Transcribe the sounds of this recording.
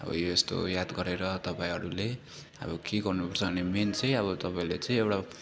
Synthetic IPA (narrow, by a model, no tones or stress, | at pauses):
ʌ̰bʌ̰joest̪o̰jad̪ɡʌɾeɾʌt̪ʌpaĩɦʌɾule | ʌ̰βʌkeɡʌrnupʌrt͡sʰʌbʌnement͡sʌ̃j̃ʌβʌt̪ʌpaĩlet͡sʌ̃ĩewɽa